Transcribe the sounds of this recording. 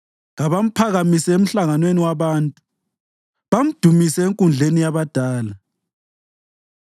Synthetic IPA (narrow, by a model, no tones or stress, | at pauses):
ɣaβam̩pʰaɣamisɛem̩ɬaŋanweniwaβaːntʼu̥ | βam̩d̥ʱumisɛeŋkʼund͡ɮʱenijaβad̥ʱaːla